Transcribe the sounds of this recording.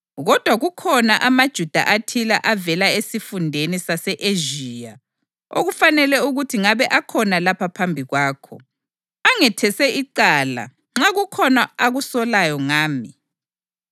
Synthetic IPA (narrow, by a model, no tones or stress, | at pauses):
ɣɔd̥ʱwaɣukʰɔnaʔamad̥ʒ̥ʱud̥ʱa̰ʔatʰilaʔavɛlaesifundʱenisasɛʔeʒija | o̰ɣufanɛlɛuɣutʰiŋaβɛʔakʰɔnalapʰapʰambʱiɣwaːkʰɔ̰ | aŋɛtʰɛsɛʔiǀaːla̰ | ŋ͡ǁaɣukʰɔnaaɣusɔlajɔŋaːmi